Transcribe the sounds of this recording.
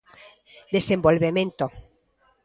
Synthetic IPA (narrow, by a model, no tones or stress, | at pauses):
d̪esembolβemẽnt̪o